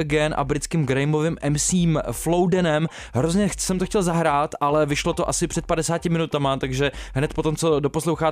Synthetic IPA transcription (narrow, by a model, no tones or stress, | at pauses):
ɡɛnʔa̰bɾɪt͡skɪmɡɾɛjmovɪmʔɛmsiːmflowdɛnɛm | ɦɾozɲɛsɛmt̪oxcɛlzaɦɾaːt̪ʔalɛvɪʃlo̞t̪o̞ʔasɪpr̥ɛt̪̚padɛsaːcɪmɪnut̪amat̪aɡʒɛɦnɛt̪po̞t̪o̞mt͡so̞do̞po̞slowxaː